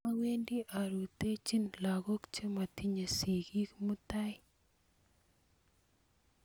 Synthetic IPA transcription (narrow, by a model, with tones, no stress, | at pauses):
a˦we˦ndi˦ʔa˨ɾu˨te˦t͡ʃi˦nla˨ɣo˦kt͡ʃe˦ma˨ti˦ɲe˨si˨ɡi˦kmu˦ta˦j